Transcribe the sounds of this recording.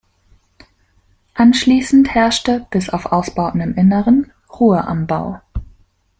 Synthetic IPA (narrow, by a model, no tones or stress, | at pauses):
ʔanʃliːsn̩thɛɐʃtəb̥ɪsa̰ʊfʔaʊsb̥aʊtn̩ɪmʔɪnəʁən | ʁuːəʔa̰mba̰ʊ